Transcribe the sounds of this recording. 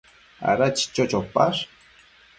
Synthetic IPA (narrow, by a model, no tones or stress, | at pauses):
a̰ɾat͡ʃi̥t͡ʃot͡ʃopa̰ʂ